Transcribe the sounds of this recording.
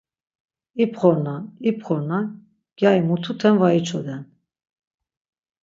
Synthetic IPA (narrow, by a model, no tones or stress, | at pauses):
ipχɔɾnaipχɔɾna | ɡ̥jaimut̪ʰut̪ʰɛnvait͡ʃʰɔd̪ɛn